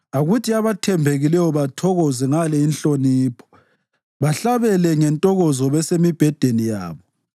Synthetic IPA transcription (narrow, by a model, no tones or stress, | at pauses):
aɣutʰiaβatʰɛmbʱeɣilɛjɔβatʰɔɣɔzɛŋalɛinɬoniːpʰɔ̥ | βaɬaβɛlɛŋɛntʼɔɣɔzɔβɛsemib̥ʱɛd̥ʱenija̰ːβɔ